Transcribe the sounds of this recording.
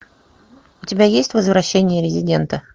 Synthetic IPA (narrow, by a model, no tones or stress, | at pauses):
ʊtʲɪbʲajesʲtʲvəzvɾɐɕːenʲɪjəɾʲɪzʲɪdʲe̞nt̪ə